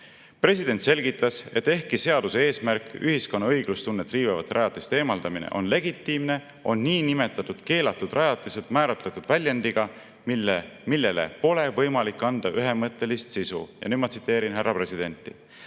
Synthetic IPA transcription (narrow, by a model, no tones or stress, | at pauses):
pre̞s̬ʲid̪̥e̞nʲt̪se̞lɡ̥it̪ːˑɑse̞t̪ːe̞hkise̞ɑd̪̥usee̞ːsmærkːˑyɦisko̞nːɑɤjɡ̥lust̪unːet̪ːriːvevɑ̰t̪ːˑeɾɑjɑt̪ˑːist̪e̞ːmɑld̪ɑminḛʔo̞̰nle̞ɡit̪ˑːimne̞ | o̞̰nːiːnime̞t̪ːˑɑt̪ːˑud̪̥ke̞ːlɑt̪ːˑud̪̥rʔɑjɑt̪ˑːiset̪mæːɾɑt̪ˑlet̪ud̪̥vælʲjɑnd̪iɡ̥ɑ | milemilːe̞le̞̰po̞le̞vɤjmɑlikːˑɑnd̪̥ɑʔyɦe̞mɤt̪ˑːe̞list̪sisṵjɑ̰nyːd̪̥mɑt̪sit̪ːˑe̞ːɾinɦærːɑpre̞sid̪̥e̞nt̪ːˑi